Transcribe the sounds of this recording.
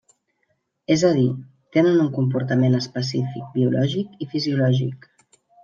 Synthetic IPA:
ezəði | t̪enənuŋkump̬uɾt̪əmenəspəs̬ifik̚biulɔʒikifiziulɔʒḭk

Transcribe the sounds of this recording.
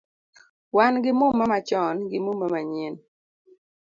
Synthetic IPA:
wanɡɪmumːamat͡ʃɔnɡɪmumːamaɲen

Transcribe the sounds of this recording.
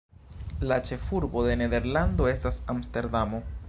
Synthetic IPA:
lat͡ʃe̞fuɾbo̞d̪e̞ne̞d̪e̞ɾland̪o̞e̞stasamste̞ɾd̪amo̞

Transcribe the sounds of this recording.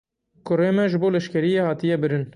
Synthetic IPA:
kʰʊreːmɛʒɨboːlɛʃkɛɾijeːhɑːt̪ijɛbɨɾɨn

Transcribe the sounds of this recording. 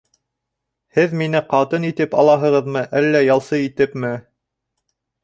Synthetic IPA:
hɘðminɘqɑt̪ɤnit̪ɘpɑ̰lˠɑɦɤ̆ʁɤ̆ðmɤʔælːæjɑlˠsɤit̪ɘpmɘ

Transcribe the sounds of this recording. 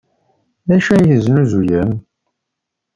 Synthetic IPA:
ðæʃæjəznuzujəm

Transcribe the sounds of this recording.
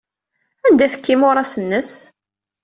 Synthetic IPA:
ænd̪æθə̥kːimʊɾˤɑsənːəs

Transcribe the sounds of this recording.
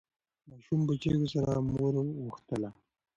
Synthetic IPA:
mɑʃumbət͡ʃewosaɾamoɾɣuxt̪əla

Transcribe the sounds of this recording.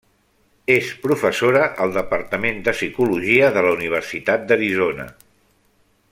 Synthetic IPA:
espɾufəsoɾəʔəlˠd̪əpəɾt̪əmend̪əsikuluʒiəðələuniβ̞əɾsit̪at̪̚d̪əɾizonə̰

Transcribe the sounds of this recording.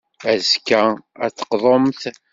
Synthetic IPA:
æzkːææ̰t͡sːə̥qðˤomθ

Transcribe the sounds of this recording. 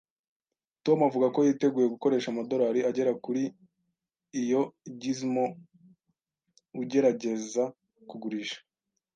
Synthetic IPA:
to̞muavuɡako̞jite̞ɡuːje̞ɡuko̞ɾe̞ːʃamado̞ɾaɾiaɟe̞ɾakuɾiː | jo̞ɟizmo | uɟe̞ɾaɟe̞za | kuɡuɾiːʃḁ

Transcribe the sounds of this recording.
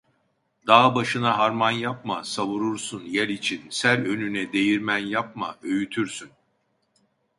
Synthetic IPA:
d̪aːbaʃɯnaɦaɾmanjap̚masaβuɾuɾsunjælit͡ʃʰinsælʲø̞nynɛd̪e̞jiɾmænjap̚ma̰ø̞jyt̪ʰyɾsyn

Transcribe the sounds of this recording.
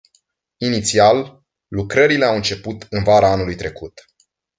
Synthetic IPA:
init̪sialː | ukɾəɾile̞awɨnt͡ʃe̞put̪ɨnvaɾaanulujt̪ɾe̞kut̪

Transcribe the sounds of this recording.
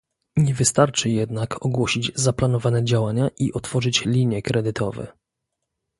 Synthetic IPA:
ɲɛvɘst̪aɾt͡ʂɘjɛd̪nakʰɔɡwɔɕid͡ʑzaplanɔvanɛd͡ʑawaɲaʔiʔɔt̪fɔʐɘt͡ɕlʲiɲjɛkɾɛd̪ɘt̪ʰɔ̰vɛ̰

